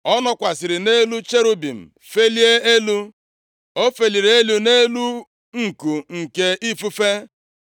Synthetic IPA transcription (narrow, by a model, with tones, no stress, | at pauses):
ɔ˦nɔ˦kʷa˨sɪ˨ɾɪ˨ne˦lu˦t͡ʃe˦ɾu˦bi˨m̩˨ | fe˦li˦e˦e˦lu˦ | o˦fe˨li˨ɾe˨e˦lu˨ne˦lu˦ | ŋ̩˨ku˨ŋ̩˨ke˦ʔi˦fu˦fe˦